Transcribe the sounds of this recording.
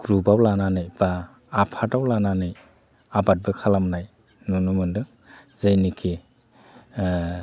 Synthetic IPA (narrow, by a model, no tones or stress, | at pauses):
ɡ̥ɾubawlananɯjb̥aː | pʰatawlananɯj | abat̚bɯkʰalamnaj | nunumɯndɯŋ | zɯjnikʰi